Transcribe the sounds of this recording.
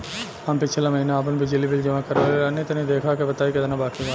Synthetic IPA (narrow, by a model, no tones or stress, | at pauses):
ɦampɪt͡ʃʰlamɐɦinaaːpənbʱid͡ʒəlibɪld͡ʒɐʋãkɐɾeleɐnːet̪ɐnid̪eːkʰakebɐt̪aːikɐd̪nãbaːkiʋaː